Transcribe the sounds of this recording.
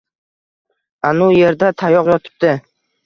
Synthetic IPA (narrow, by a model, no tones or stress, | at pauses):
anʊje̞ɾd̪at̪ʰajɒqjɒt̪ʰɪ̥p̚d̪ɪ